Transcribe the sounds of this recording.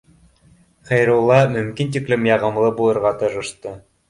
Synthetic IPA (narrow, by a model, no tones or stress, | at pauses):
χæjɾulˠːɑmɵ̆mkint̪iklɘmjɑʁɤ̆mlˠɤbulˠɤ̆ɾʁɑt̪ɤ̆ɾɤ̆ʃt̪ɤ